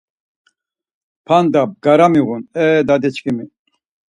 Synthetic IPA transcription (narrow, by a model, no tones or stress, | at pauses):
pʰand̪ab̚ɡaɾamiɣunɛd̪ad̪ɛt͡ʃkʰimi